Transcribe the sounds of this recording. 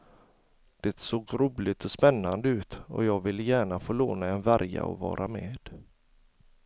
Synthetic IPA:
d̪̥ɛt̪soːɡɾuːlɪt̪ʰɔspɛnːand̪əʉ̟ːt̪ɔ̰jɑːɡvɪlːəjæːɳafoːloːnaɛnvæɾja̰ɔ̰vɑ̰ːɾʔameːd̪̥

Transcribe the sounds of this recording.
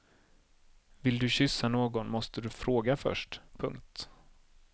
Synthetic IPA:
vɪld̪ɵɕʏsːanoːɡɔnmɔst̪əd̪ɵfɾoːɡafœ̰ʂʈpʰɵ̰ŋk̚t̪

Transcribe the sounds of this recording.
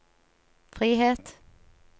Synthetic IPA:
fʁiːheːt̪

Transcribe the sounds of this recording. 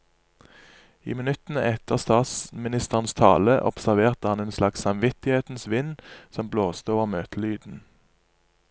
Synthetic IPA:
ḭːmɪnʉt̪n̩əɛt̪ʰəʁst̪ɑːt̪smɪnɪst̪əʁənst̪ʰɑ̰ːləʔɔ̰psæʁʋeːʁt̪əhɑneːnslɑksɑmʋɪt̪ɪheːt̪n̩sʋɪnsɔmbloːst̪əoːʋəʁmøːt̪əlyːd̪n̩

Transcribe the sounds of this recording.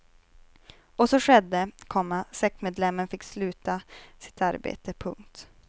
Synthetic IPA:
ɔsɔʂɛd̪ːəkʰɔmːasɛksmeːd̪lɛmːənfɪkːslʉ̟ːt̪asɪ̥t̪aɾbḛːt̪əpʰɵ̰ŋk̚t̪

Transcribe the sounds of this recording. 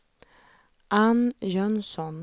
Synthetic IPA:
ʔɑnjœnsɔn

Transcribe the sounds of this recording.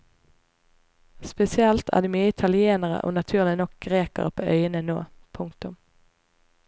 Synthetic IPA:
spɛsɪɛlt̪ʰæ̰ːd̪iːmyːəɪt̪ʰɑlɪeːnəʁə̰ʔo̰ːnɑt̪ʰʉːʁlɪnɔk̚ɡ̥ʁeːkə̰ʁəpʰoːʔœʏənəno̰ːpʰʊŋt̪ʊm

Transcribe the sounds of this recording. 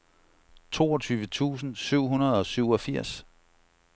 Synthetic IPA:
t͡sʰo̝̰ːɒ̽t͡sʰyːʋət͡sʰṵːsn̩syʊ̰ɦunɐð̞̩ˠɒ̽syʊ̰ɒ̽fiɐ̰s

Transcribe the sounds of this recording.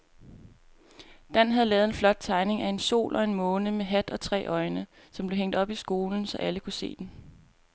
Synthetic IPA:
d̥æn̰ɦæðˠlɛːðˠenflɒ̽d̥̚t͡sʰɑ̈ɪne̝ŋæe̝nso̝̰ːlʔɒ̽e̝nmɔ̽ːnəmeɦæd̥ɒ̽t͡sʰʁɛ̰ːʔɒ̽ɪnə | sɒ̽mb̥le̝ɦeŋ̰d̥ɒ̽b̥isɡ̥o̝ːln̩sɒ̽ʔæləkʰuse̝̰ːd̥en̩

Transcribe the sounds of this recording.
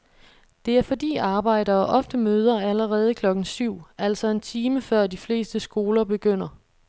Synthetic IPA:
d̥e̝æɐfɒ̽dḭːɑ̈ːb̥ɑ̈ɪ̰ɾɐːʔɒ̽fd̥əmøːð̞ˠɐæləʁɛːð̞ˠəkʰlɒ̽ɡ̥n̩syʊ̰æl̰sɒ̽e̝nt͡sʰiːməfɶɐ̰d̥ifle̝̰ːsd̥əsɡ̥o̝ːlɐb̥e̝ɡ̥øn̰ɐ

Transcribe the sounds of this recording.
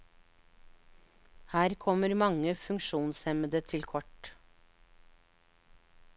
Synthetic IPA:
hæːɾkʰɔməɾmɑŋəfʉŋʃuːnsɛməd̪ət̪ʰɪlkʰɔʈ

